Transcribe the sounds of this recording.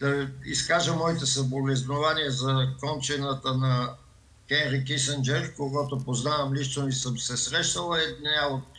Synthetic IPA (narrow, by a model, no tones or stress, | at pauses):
d̪̥ɐiskaʒəmɔit̪ɛsɐbolɛznovaniɛzɐkɔnt͡ʃɛnət̪ənɐ | kɛnɾikis̬ənd͡ʒɛɾkoɡɔt̪opoznavɐmliʃt̪onisəmsɛsɾɛʃnəlˠəɛd̪naot̪̚